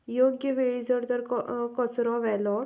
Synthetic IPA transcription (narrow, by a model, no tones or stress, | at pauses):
joɡjəʋeɭid͡zəɾd̪əɾkɔkɔsɾɔʋɛlɔɾ